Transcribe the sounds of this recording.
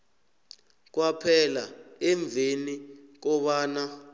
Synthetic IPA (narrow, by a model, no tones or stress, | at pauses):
k̬wapʰɛlaɛɱb̪vʱenik̬ɔɓaːna